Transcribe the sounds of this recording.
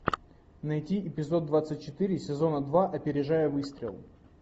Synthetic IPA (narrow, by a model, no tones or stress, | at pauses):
nɐjtʲiʔɪpʲɪzo̞d̪̚ːvat̪sɨt̚ʲt͡ɕɪt̪ɨɾʲɪsʲɪzo̞nəd̪vaʔɐpʲɪɾʲɪʐajəvɨst̪ɾʲɪ̰lˠ